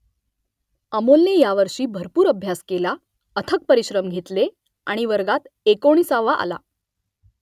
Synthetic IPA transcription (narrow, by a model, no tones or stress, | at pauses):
əmolnejaʋəɾʂiːbʱəɾpuːɾəbʱjaskela | ət̪ʰək̚pəɾiɕɾəmɡʱet̪le | a̰ɽ̃iʋəɾɡat̪ekoɽ̃iːsaʋːaʔa̰la̰